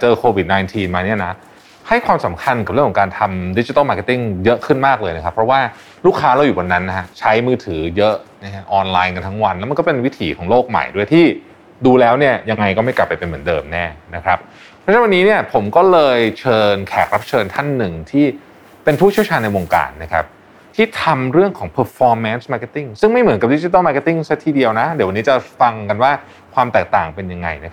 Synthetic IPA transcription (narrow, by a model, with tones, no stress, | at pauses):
a˩t͡ɕɤː˧kʰoː˧wi˨˩t̪̚naː˧jnt̪ʰiː˧nmaː˧ni˥˩ɐna˦˥ | ha˥˩jkʰwaː˧msa˩˦mkʰa˧nka˨˩p̚ɾɯ˥˩kʰɔ˩˦ŋkaː˧nt̪ʰa˧mdi˧˦˥t͡ɕi˧a˥˩maː˧˩ka˥˩t̪i˥˩ŋjɤ˦˥ʔkʰɯ˥˩nmaː˥˩k̚lɤː˧jna˦˥kʰa˦˥pʰːɾɔ˦˥waː˥˩ | luː˥˩kʰːaː˦˥la˧wjuː˨˩a˧nːa˦˥nːa˦˥ɦa˦˥t͡ɕʰa˦˥jmɯː˧t̪ʰɯː˩˦jɤ˦˥ʔna˦˥a˦˥ʔɔː˧nlaː˧jka˧nt̪ʰa˦˥ŋwa˧nla˦˥wma˧nkɔ˥˩pe˧nwi˦˥t̪ʰiː˩˦kʰɔː˩˦ŋloː˥˩k̚ma̰˨˩jdu˥˩əjt̪ʰiː˥˩ | duː˧lɛː˦˥wni˥˩ɐja˧ŋːa˧jkɔ˥˩ma˥˩jkla˨˩pːa˧jpe˧nmɯ˩˦əndɤː˧mnɛː˥˩na˦˥kʰɾa˦˥p̚ | pʰɾɔ˥t͡ɕʰwa˧nːiː˦˥ni˥˩ɐəpʰo˩˦mkɔː˥˩lɤː˧jt͡ɕʰɤː˧nkʰɛ̰ː˨˩k̚ɾa˦˥p̚t͡ɕʰɤː˧nt̪ʰa˥˩nːɯ˨˩ŋt̪ʰiː˥˩ | pe˧npʰuː˥˩t̪̚ʰi˥˩wt͡ɕʰːnːa˧jwo˧ŋka̰ː˧nːa˦˥kʰa̰˦˥p̚ | t̪ʰiː˥˩t̪ʰa˧mɾɯ˥˩əŋkʰɔː˩˦ŋpʰɤː˨˩t̚fɔː˧mːɛ˦˥nsmaː˧˥ke˦˥t̪ːi˥˩ŋsɯ˥˩ŋma˥˩jmɯ˩˦nka˨˩p̚di˦˥t͡ɕi˧t̪̬a˥˩ma˧ke˦˥t̪ːi˥˩ŋsa˦˥˩t̪ʰiː˧˩di˧əwna˦˥di˩˦wa˧niː˦˥t͡ɕa˨˩fa˧ŋka˧nwaː˥˩ | kʰwaː˧mt̪ɛː˨˩k̚t̪aː˨˩ŋpe˧nja˧ŋːa̰˧jna˦˥